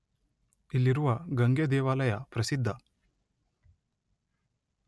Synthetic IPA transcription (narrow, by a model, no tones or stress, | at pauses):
ilːiɾuʋɐɡɐŋɡjɐd̪ɛːʋaːlɐjɐpɾɐsid̪ʱːɐ